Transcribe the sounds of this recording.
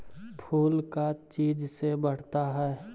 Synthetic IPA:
pʰuːlkat͡ʃiːd͡ʒsebəɽ̤t̪aɦɛː

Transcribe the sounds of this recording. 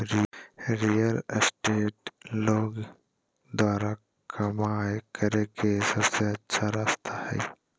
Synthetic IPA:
ɾiɾijəlsʈeːʈloːɡ | d̪waːɾa | kʰɐmaːjkəɾekesɐbseɐtːʃʰaɾaːst̪ʰahɛ̰ː

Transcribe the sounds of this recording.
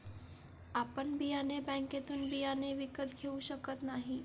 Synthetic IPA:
apənbʱianebɛ̃ŋket̪uːnbʱianeʋikət̪kʰeuʃəkət̪naɦĩ

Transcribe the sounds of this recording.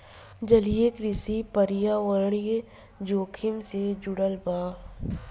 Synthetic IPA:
d͡ʒɐlijekɾɪsipəɾɪjaʋəɾɳ̃je | d͡ʒoːkʰɪmsed͡ʒʊɽəlbaː

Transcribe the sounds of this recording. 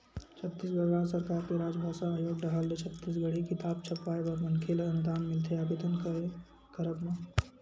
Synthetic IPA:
t͡ʃʰət̪ːiːsɡəɾaːɾsəɾkaːɾkeɾaːd͡ʒbʱaːʃaːjoːɡɾəɦəlːet͡ʃʰət̪ːis̬ɡəɽ̤ikɪt̪aːbt͡ʃʰəpʋaːebəɾmənkʰeːlənʊd̪aːnmɪlt̪ʰeaːbeːd̪ənkəe | kəɾəbmã

